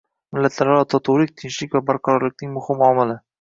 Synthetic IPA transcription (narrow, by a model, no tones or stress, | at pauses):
mɪlːat̪laɾɒt̪ʰɒt̪ʰʊwlɪk̚ʲt̪ʰɪnʃlɪkʲvabaɾqʰɑɾɒɾlɪk̚ʲnɪŋmʊhɪmɒmɪlɪ